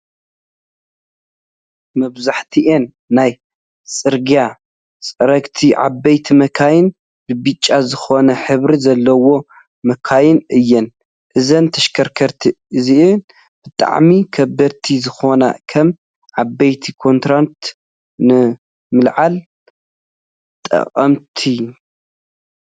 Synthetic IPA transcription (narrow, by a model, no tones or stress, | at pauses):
mɐβzaħt̪ʰiʔenː | aj | sʼɨɾɡija | sʼɐɾɐkt̪ʰiʕa̰bɐjt̪ʰimɐkʰajɪn | bɨbɨt͡ʃʼːazɨxo̞nɐħɨβɾizɐlːɐwo̞ | mɐkʰajɪnɨjːɨn | ʔɨzɐnt̪ʰɐʃkʰɐɾkʰɐɾt̪ʰiʔɨziʔɨ | b̥ɨt̪ʼa̰ʕmikʰɐbɐɾt̪ʰizɨxo̞na̰kʰɐm | ʕabɐjt̪ʰikʰo̞nt̪ɾant̪ | nɨ | mɨlʕal | t̪ʼɐ̰qʼɐmt̪ʰi